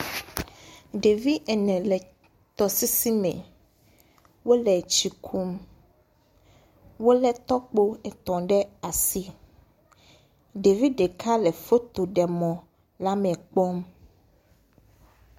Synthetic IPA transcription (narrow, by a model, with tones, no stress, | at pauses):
ɖe˨vi˦ʔɛ˨nɛ̃˨lɛ˨ | t̪ɔ˨si˦si˦mɛ̰̃˨ | wo˦lɛ˨t͡ɕi˨kʰu˦m | wo˦lɛ˦t̪ɔ˦k͡po˦ɛ˨t̪ɔ̃˨ɖɛ˦a˨si˦ | ɖe˨vi˦ɖe˨kʰa˦lɛ˨fo˦t̪o˨ɖɛ˨mɔ̃˨ | la˦mɛ̃˨k͡pɔ˦m